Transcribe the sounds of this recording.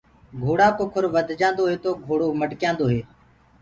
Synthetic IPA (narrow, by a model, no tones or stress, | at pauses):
ɡʱoːɽaːkoːkʰʊɾʋəd̪ʱd͡ʒãːnd̪oːɦeːt̪oːɡʱoːɽoːməɖkjãːnd̪oːɦeː